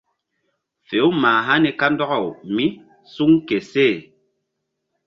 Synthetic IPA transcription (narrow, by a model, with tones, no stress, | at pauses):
fe˨˦wmaː˨ɦa˦ni˨ka˦ndɔ˦ɣɔ˨wmi˦ | su˦ŋke˨se˦˨